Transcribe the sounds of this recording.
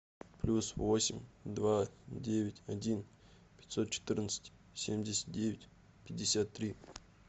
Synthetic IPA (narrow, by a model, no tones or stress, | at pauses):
plʲusvo̞sʲɪmʲd̪vadʲevʲɪtʲɐdʲin | pʲɪ̥t̪ʲso̞t̪̚t͡ɕɪ̥t̪ɨrnət̪sə̥tʲ | sʲemʲdʲɪsʲə̥t̪̚dʲevʲɪtʲ | pʲɪdʲɪsʲat̪ːɾʲi